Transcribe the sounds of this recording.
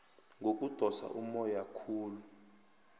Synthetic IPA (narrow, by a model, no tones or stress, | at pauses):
ŋɡok̬ʼud̥ʱɔsa̰ʔumɔjakʰuːlu